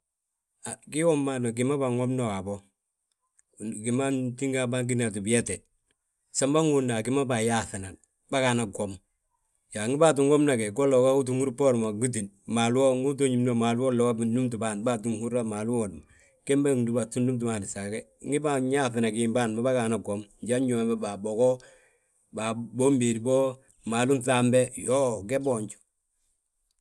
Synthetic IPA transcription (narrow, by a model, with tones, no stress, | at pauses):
a˨ki˦wo˦mːa˦no˨ɡ̬i˨ma˦ba˨ŋo˦mno˦wa˨bo˦ | ɡi˨ma˦nti˦ŋɡa˦ba˦ŋɡ̬i˦na˨t̬u˨bi˨je˦te˨ | sa˦mba˦ŋu˨na˨ki˦ma˦ba˨ja˦θi˨na˨n | ba˦ka˨na˨ɡo˨m | ja˨ŋi˦ba˦t̬u˨ŋɡo˦mna˨ke˨ɡo˦lo˨ka˦u˦t̬u˦ŋu˦ɾu˦po˦ɾma˨ɡu˦t̬i˨n | ma˨lu˦o˦ŋu˦t̬o˦ɲi˨mno˨ma˨lu˦wo˦lo˨wa˦bi˨˦u˦mtu˨baː˨nba˨t̬u˦ŋhu˦ɾa˦ma˨lu˦wo˨dma˨ | ke˦mba˦ŋ˨du˦ba˨tu˦ndu˦mt̬u˨ma˨ni˨sa˨ke˦ | ŋi˦ba˦ɲa˦θɪ˨na˨ɡi˨mba˦˨nma˨ba˦ɡa˨na˨ɡo˨mɟa˦ɲo˨ba˦ba˨bo˨ɡɔ˦ | ba˨bo˦mbe˨ɾi˨bo˦ | maː˨lu˦nθa˦mbe˦jo˦ɡe˦bo˦˨ɲt͡ʃu̥˨